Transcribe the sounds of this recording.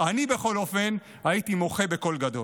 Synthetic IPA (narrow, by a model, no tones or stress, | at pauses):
anibe̞χo̞lo̞fe̞n | hait̪imo̞χe̞be̞ko̞lɡado̞l